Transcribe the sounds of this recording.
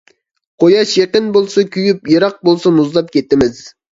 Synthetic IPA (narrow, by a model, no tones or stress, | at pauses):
qʰojɑʃjeqənbolˠsɑkʲʰyjypjeɾɑq̚bolˠsɑmuzlˠɑp̚kʲʰet̪ːɪmɪz̥